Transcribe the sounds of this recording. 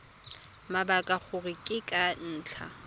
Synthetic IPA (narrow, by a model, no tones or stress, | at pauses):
mabakʼak͡xʊrɪkʼɪkʼan̩ːt͡ɬʰa̰